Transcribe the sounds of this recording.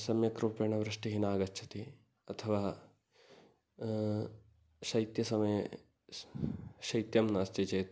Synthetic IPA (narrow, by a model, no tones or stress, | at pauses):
sɐmjɐkɾupeɳɐʋɾɨʂʈiɦinaːɡɐtːt͡ʃʰɐt̪i | ɐt̪ʰɐʋaː | ʃɐjt̪jɐsɐmɐjɐ | ʃɐjt̪jɐmnaːst̪ed͡ʒɐjt̪